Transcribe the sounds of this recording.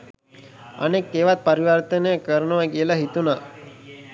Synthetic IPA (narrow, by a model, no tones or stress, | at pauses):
ə̰nekːeːʋat̪̚pəɾiʋəɾt̪ənəjəkəɾənəʋaɡijəlaɦit̪una